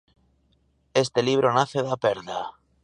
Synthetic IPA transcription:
est̪eliβ̞ɾonaθeðapeɾða

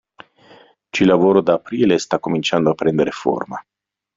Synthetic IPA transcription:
t͡ʃilavoɾod̪aapɾilest̪akomint͡ʃand̪oapɾend̪eɾefo̰rma

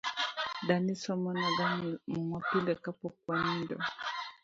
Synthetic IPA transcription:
danisɔmɔnaɡammumapilɛkapɔkwaɲindɔ̰

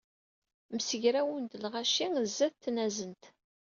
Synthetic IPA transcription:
msəʝɾæwənt̪lʁaʃiŋəzːæθt̪ːnæzənt̪

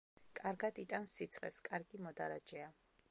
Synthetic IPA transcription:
kʼaɾɡad̪it̪ʼansit̪sʰχɛ̰skʼaɾɡimɔd̪aɾad͡ʒɛa

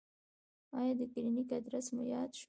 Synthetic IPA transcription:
ɑjɑd̪əkɪɾinikad̪ɾasmʊjɑd̪ʃ

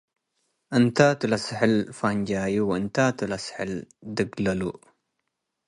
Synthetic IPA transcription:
ʔənt̪at̪ɨlɐsħəlfand͡ʒaːjuwɨnt̪at̪ulɐsħɪld̪ɨɡlɐlu

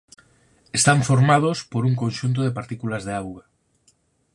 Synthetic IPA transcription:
est̪aɱfoɾmað̞ospoɾuŋkonʲʃunt̪̬oðepaɾt̪ikulazðeawɣa

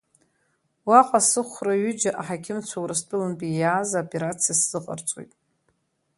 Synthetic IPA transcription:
waqʼasɨχʷraɥʏd͡ʒaʔaħakʲʰɪmt͡sʷʰawɾɨstʼɨlɨnbʼijaːzaopʼe̞ɾat͡sʰijasz̥ɨqʼa̰rt͡sʷʼo̰jtʼ

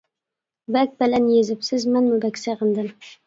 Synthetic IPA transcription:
bæk̚ʲbɪlænjezɪpsɪzmanmʊbækʲsaʁɨnd̪ɪm

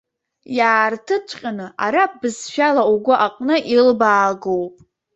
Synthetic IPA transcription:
jaːrtʰɨt͡ʃʷʰʼqʲʼanɨa̰ɾap̚ʰʼbɨzʃᶣalauɡʷʊʔaqʼnɨʔilbaːɡowpʼ

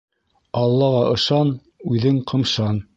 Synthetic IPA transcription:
ɑlˠːɑʁɑʔɤ̆ʃɑn | ʉðɘŋqʰɤ̆mʃɑn

